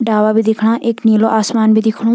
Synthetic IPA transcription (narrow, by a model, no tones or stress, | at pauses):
ɖaːʋaːbʱiːd̪ɪkʰɽ̃aːʔɪkniːloːʔaːsmaːnbʱiːd̪ɪkʰɽ̃õː